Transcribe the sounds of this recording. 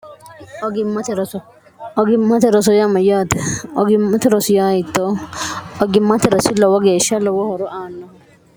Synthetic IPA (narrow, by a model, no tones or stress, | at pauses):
ʔɔɡɪmːɐt̪ɛɾɔsɔ | ʔɔɡɪmːɐt̪ɛɾɔsɔjɐmɐjaːt̪ɛɔɡɪmːɐt̪ɪɾɔsʊjaːjɪt̪ːɔ | ɔɡɪmːɐt̪ɛɾɔsɪlɔwɔɡeːʃːɐlɔwɔhɔɾɔʔaːnːɔ